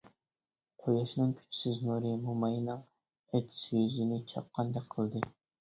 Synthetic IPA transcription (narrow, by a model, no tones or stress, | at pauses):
qʰojɑʃnɨŋkʲʰy̥t͡ʃʰsɪznuɾɨmumɑjnɨŋ | ɛt̪ʲʰsjyzinɪt͡ʃʰɑ̰p̚qʰɑnd̪ɛk̚ʲqʰəlˠd̪ɨ